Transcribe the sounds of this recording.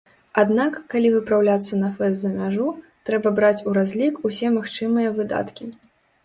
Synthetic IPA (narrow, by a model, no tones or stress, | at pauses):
ad̪nakːalʲivɨpɾawlʲat̪sːɐnɐfɛsd̪zɐmʲaʐut̪ɾɛbɐbɾat͡sʲuɾazʲlʲikusʲɛmaxt͡ʂɨmɨjɐvɨd̪a̰t̪kʲi